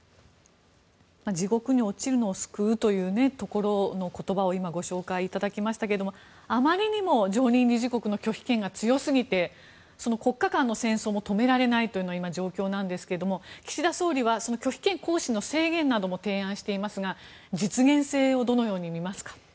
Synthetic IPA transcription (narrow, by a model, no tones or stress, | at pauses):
mad͡ʑiɡo̞kɯ̟ɲ̟iot͡ɕiɾɯ̟no̞ːsɨ̥kɯ̟ɯt̪o̞jɯ̟ːne̞t̪o̞ko̞ɾo̞no̞ko̞t̪o̞bao̞imaɡo̞ɕo̞ːkaiːt̪ad̪akʲimaɕi̥t̪akeed̪o̞mo | amaɾʲiɲ̟imo̞d͡ʑo̞ːɲ̟ĩɲʲɾʲiʑiko̞kɯ̟no̞kʲo̞çʲi̥kẽ̞ŋɡat͡sɨjo̞sɨɡʲit̪e̞ | so̞no̞ko̞kːakãnːo̞sẽ̞ɰ̃so̞ːmo̞t̪o̞me̞ɾaɾe̞nait̪ojɯ̟noaimad͡ʑo̞ːkʲo̞ːnãnd̪e̞sɨ̥ke̞ɾed̪o̞mo̞kʲi̥ɕid̪aso̞ːɾʲiβaso̞no̞kʲo̞çʲi̥kẽ̞ŋko̞ːɕinːo̞se̞ːɡẽ̞nːad̪o̞mo̞t̪ẽ̞ːãɰ̃ɕi̥t̪e̞imasɨɡa | d͡ʑit͡sɨɡẽ̞ɰ̃se̞ːo̞d̪o̞no̞jo̞ːɲ̟imʲimasɨ̥kḁ